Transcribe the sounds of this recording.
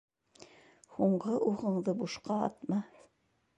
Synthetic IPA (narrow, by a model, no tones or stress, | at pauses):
huɴɢɤʔuʁɤ̆ɴðɤbuʃqɑɑ̰t̪mɑ